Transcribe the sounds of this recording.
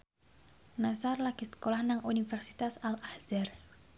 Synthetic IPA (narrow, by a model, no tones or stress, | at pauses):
nasarlakisə̥kolahnaŋʔunifɛrsi̥t̪asalahzar